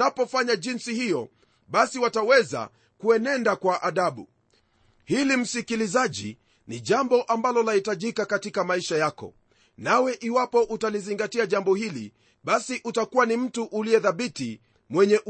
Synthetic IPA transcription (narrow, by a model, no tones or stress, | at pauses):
apɔfaɲaʄinsihijɔ | ɓasiwatawɛza̰ | kuɛnɛndakwaʔaɗaɓṵ | hilim̩sikilizaʄḭ | niʄambɔʔambalɔlahitaʄikakatikamaiʃajakɔ̰ | nawɛʔiwapɔʔutaliziŋɡatiaʄambɔhilḭ | ɓasiʔutakuwanim̩tuʔuliɛðaɓiti | mwɛɲɛʔ